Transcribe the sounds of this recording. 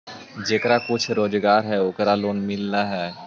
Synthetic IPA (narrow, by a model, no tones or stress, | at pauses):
d͡ʒeːkɾakʊt͡ʃʰɾoːd͡ʒɡaːɾɦɛoːkɾaloːnmɪlnaɦɛː